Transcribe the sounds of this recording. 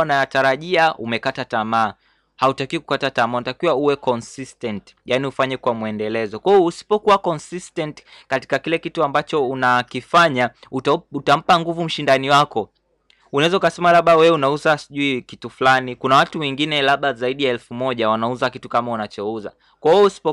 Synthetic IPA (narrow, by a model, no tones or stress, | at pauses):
najataɾaʄiaumɛkatatamaː | hautakiwiku̥katatamaunatakiwauwɛkɔnsistɛnti̥janiufaɲɛkwamwɛndɛlɛzɔkwajɔusi̥pɔkuwakɔnsistɛnti̥ | kati̥kakilɛkituambat͡ʃɔunakifaɲa | uutam̩paŋɡuvum̩ʃindaniwakɔ | unaɛzaukasɛmalaɓawɛwɛunauzasiʄuikitufulanikunawatuwɛŋɡinɛlaɓazaiɗijaɛlfumɔʄawanauzakitukamaunat͡ʃɔuza̰ | kwajɔusi̥pɔ